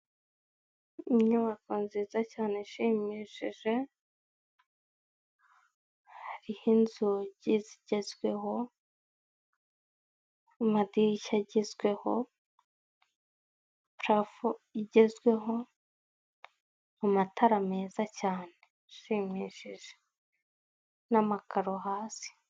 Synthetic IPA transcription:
umɲaβakuːnzizacaːneʃiːmiːʃiʒe̞ | haɾihinzuɟiziɟe̞zɡwe̞ho̞ | madiiʃaɟizɡwe̞ho̞ | pɾafoiɟe̞zɡwe̞ɦo̞ | amatʰaɾame̞ːzacaːne | ʃiːmiːʃiʒe̥ | namakaɾoɦaːsi̥

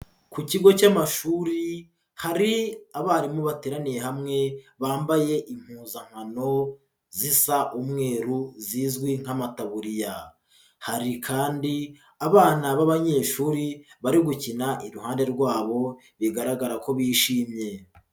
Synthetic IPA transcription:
kuciɡo̞camaʃuːɾi | haɾiaβaːɾimuβateːɾanije̞ɦamŋe̞βaːmbaje̞ʔim̥huːzaŋ̥ano̞ | zisaʔumŋe̞ːɾuziːzɡwiŋ̥amataβuɾija | haɾikʰaːndi | aβaːnaβaβaɲe̞ːʃuːɾiβaɾiɡucinaʔiɾuɦaːnde̞ɾɡwaːβo̞ | βiɡaɾaɡaɾako̞βiːʃiːmɲe̞

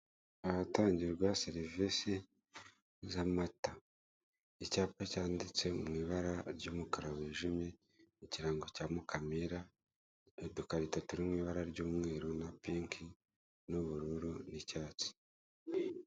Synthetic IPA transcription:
aβataːɲɟiɾɡwaseɾivisi | zamata | icaːpacaːndit͡se̞mŋiːβaɾaɾɟuːmukaɾaweːʒimje̞ | iciɾaːŋɡocaːmukʰamiɾa | edukaɾitatuɾimŋiːβaɾaɾɟuːmŋe̞ːɾonapiːŋkʰi | nuβuɾuɾunicaːt͡si̥

